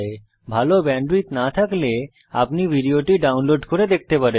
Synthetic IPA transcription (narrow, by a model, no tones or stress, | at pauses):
e | bʱalobɛɳɖɾit̪nat̪ʰakle | a̰pnibʱiɖioʈiɖawnloɖkoɾed̪ek̚t̪epaɾe